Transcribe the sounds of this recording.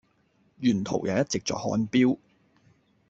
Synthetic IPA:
jyː˨˩nt̪ʰo̰˨˩wjʔaː˨˧wjɐ˥t̚t͡sɪ˨k̚t͡sɔ̰ː˨˩hɔ̰ː˨˥npiː˥w

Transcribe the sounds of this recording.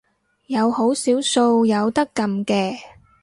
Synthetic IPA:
jɐ˨˧who˨˥wsiː˨˥wso˧wjɐ˨˧wt̪ɐ˥kːɐ˧mkɛː˧

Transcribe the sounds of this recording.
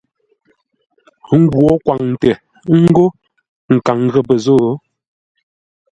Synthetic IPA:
ŋ̩˦ɡwɔ˨˦kwa˨ŋn̩˨tɛ˨ | ŋ̩˦ɡo˦ | ŋ̩˨ka˨ŋɣə˨bə˨zo˦˨˦

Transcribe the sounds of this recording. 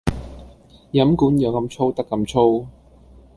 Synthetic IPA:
jɐ˨˥mkuː˨˥njɐ˨˧wkɐ˧mt͡ʃʰo˥wt̪ɐ˥kːɐ˧mt͡ʃʰo˥w

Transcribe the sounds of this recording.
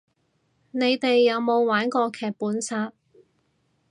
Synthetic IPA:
ne˨˧jt̪e˨jːɐ˨˧wmo˨˧wwaː˨˥nkɔː˧kʰɛː˨k̚puː˨˥nsaː˧t̚

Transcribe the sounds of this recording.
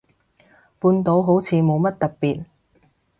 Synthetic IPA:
puː˧nt̪o˨˥wɦo˨˥wt͡sʰiː˨˧mo˨˧wmɐ˥t̚t̪ɐ˨p̚pːiː˨t̚

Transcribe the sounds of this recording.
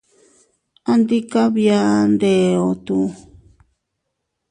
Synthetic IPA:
a˧nd̪i˦ka˦βja˦nd̪e˨o˧˨t̪u˧

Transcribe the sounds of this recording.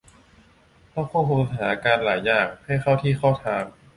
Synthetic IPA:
t̪ɔː˥˩ŋkʰuː˥˩kʰu˧nɦaː˩˦a˧kaː˧nlaː˩˦jːaː˨˩ŋ̚ha˥˩jxʰa˥˩wt̪ʰiː˥˩xʰaː˥˩wt̪ʰaː˧ŋ

